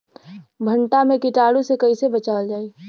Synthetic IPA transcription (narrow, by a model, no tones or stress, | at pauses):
bʱə̃ɳʈamẽkɪʈaːɽũsekɐisebɐt͡ʃaːld͡ʒaːi